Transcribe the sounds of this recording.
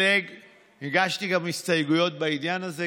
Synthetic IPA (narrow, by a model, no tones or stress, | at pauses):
eɡ | hiɡaʃtiɡamist̪ajɡujo̞t̪̚baid̪janaze